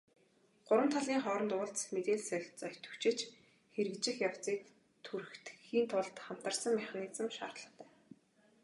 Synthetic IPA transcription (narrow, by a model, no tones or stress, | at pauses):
ɢ̥ʊɾwə̆m̥t̪ʰaɮiːŋχɔːɾɞ̆nt̪ʊːɮt͡smet̪eːɮsœɪ̆xʲt͡sœ̥t̪ʰɵ̥̆wt͡ɕɪ̆t͡ɕ | xeɾɘ̆kt͡ɕɪ̆xjaw̥t͡siːk | t̪ʰuɾɘ̆xt̪xiːnt̪ʰʊɮt̪χam̥t̪ə̆rsə̆ŋmæχaniːt͡sə̆mʃa̰ːrt̪ɮə̆χt̪æː